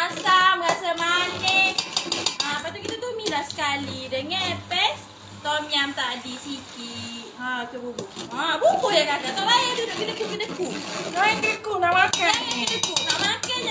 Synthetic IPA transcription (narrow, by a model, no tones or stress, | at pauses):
asaməɾasamanəkapat̪ukit̪at̪umilasə̥kalidəŋapɛs | t̪ɔmiamt̪aʔdisiki | at͡ʃububuʔãbukojakakat̪ɔʔbajad̪udoʔkədəkukədəkunaakədəkuŋaʔmakaŋakədəkuʔŋaʔmaka